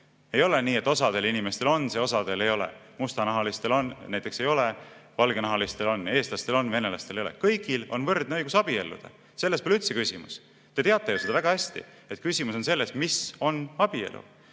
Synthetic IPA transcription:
e̞jo̞leniːe̞t̪ːˑo̞sɑd̪e̞linime̞st̪e̞lo̞nːse̞o̞sɑd̪̥e̞le̞jo̞lḛmust̪ɑnɑɦɑlist̪e̞lo̞nnæjt̪ːˑe̞kse̞jo̞levɑlɡ̥enɑɦɑlist̪e̞lo̞nːe̞ːst̪lɑst̪e̞lo̞nve̞ne̞lɑst̪e̞lejo̞lḛkɤjɡ̥ilo̞nvɤrd̪neɤjɡusɑb̥ie̞lːṵd̪̥ɑ̰ | se̞lːespelyt̪se̞kysʲimṵs | t̪e̞t̪e̞ɑt̪ːˑe̞jose̞d̪ɑvæɡ̥ɑhæsʲt̪ḭ | e̞t̪̚ˑkysʲimuso̞nse̞lːe̞smiso̞nɑb̥ie̞̰lʔṵ

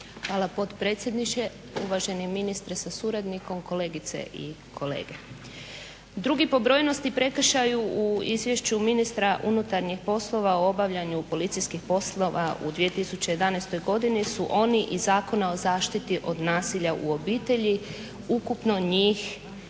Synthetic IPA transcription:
xʋaːlˠapo̞t̪pɾe̞ːt̪sjed̪nit͡ʃe | uʋaʒe̞niminist̪ɾesasuɾad̪niko̞mko̞leɡit̪se̞̰ʔḭkʰo̞lḛːɡe | d̪ɾuɡipo̞bɾo̞ːjno̞st̪ipɾe̞kr̩ʃajuuizʋje̞ʃt͡ɕuminist̪ɾaʔunut̪aɾɲixpo̞slˠo̞ʋaoo̞baʋʎaɲupo̞lit̪sijskixpo̞slˠo̞ʋa̰ṵd̪ʋie̞t̪isut͡ɕejed̪anest̪o̞jɡo̞d̪inisuʔo̞niʔizaːko̞nao̞zaːʃt̪it̪iʔo̞d̪naːsiʎaʔṵo̞biːt̪e̞ʎi | ukupno̞ɲiːx

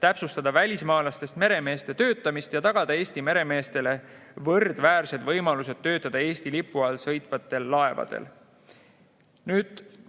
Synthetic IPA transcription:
t̪æpsust̪ɑd̪̥ɑvælʲismɑːlɑst̪e̞st̪me̞ɾe̞me̞ːst̪e̞t̪ø̞ːt̪ːˑɑmist̪jɑt̪ɑɡ̥ɑd̪̥ɑe̞ːsʲt̪ime̞ɾe̞me̞ːst̪e̞le̞vɤrd̪̥væːɾse̞d̪vɤjmɑluse̞d̪̥̚t̪ːø̞ːt̪ːˑɑd̪̥ɑe̞ːsʲt̪ilipːˑuɑlsɤjt̪vɑt̪ːˑe̞lːɑe̞vɑ̰d̪̥ḛl | nyːd̪̥

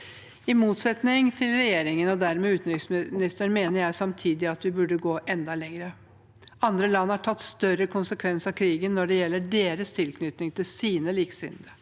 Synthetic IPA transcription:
ɪmuːt̪sɛt̪nɪŋt̪ʰɪlɾɛjeːɾɪŋənɔd̪æɾmɛːʉːt̪n̩ɾɪksmnɪst̪əɳmeːnəɾjæɪsɑmt̪ʰiːd̪ɪɑt̪ʋɪbʉɖəɡoːʔɛnd̪ɑlɛŋɾə | ɑnd̪ɾəlɑnːɑʈʰɑt̪ːst̪œɾəkʰʊnsəkʰʋɛnsɑkʰɾiːɡənːɔɖɛjɛlːəɖeːɾəst̪ʰɪlkʰnʏt̪nɪŋt̪ʰɪlsiːnəliːksɪ̰nd̪ə

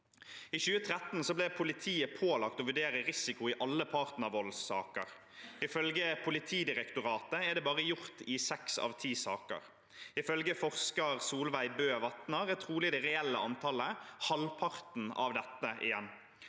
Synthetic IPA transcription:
içʉːət̪ʰʁɛt̪n̩sɔblɛpʰʊlɪt̪ʰiːəpʰoːlɑk̚t̪ɔʋʉɖeːʁəʁɪsɪkʊɪʔɑlːəpʰɑʁt̪nɑʋɔlsːɑ̰ːkə̰ʁ | ɪfœlɡəpʰʊlɪt̪ʰiːd̪ɪʁɛkt̪ʊʁɑːt̪əɛɖ̪ɛːbɑːʁəjʊʁt̪ɪsɛksɑ̰ːʋt̪ʰiːsɑːkə̰ʁ | ɪfœlɡəfɔʁskəʁsuːlʋæɪbøːʋɑt̪nəʁɛt̪ʰʁuːlɪd̪ɛʁɛɛlːəɑnt̪ʰɑləhɑlpʰɑʁt̪n̩ɑ̰ʋd̪ɛt̪ːəʔɪ̰jɛnː

